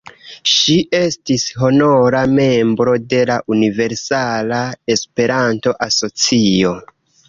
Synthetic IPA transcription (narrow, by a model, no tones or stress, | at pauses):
ʃiʔe̞stisɦo̞no̞ɾame̞mbɾo̞de̞laʔunive̞ɾsalae̞spe̞ɾanto̞ʔaso̞t͡sio̞